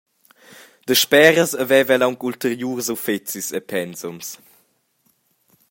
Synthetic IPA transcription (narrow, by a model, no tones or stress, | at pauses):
d̪̥əʃpɛːɾəsəvɛvɛlawŋkult̪əɾjuːrsufet͡sisepʰɛnsums